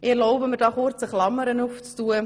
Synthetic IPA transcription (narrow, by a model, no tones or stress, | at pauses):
ɪɛɾlɔʊbəməɾdɑːχʊɾt͡səχlɑmːəɾənuft͡stuə